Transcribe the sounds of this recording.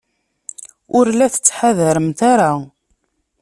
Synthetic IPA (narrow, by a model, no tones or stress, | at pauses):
ʊɾlæθə̥t͡sːħaðəɾəmt̪aɾa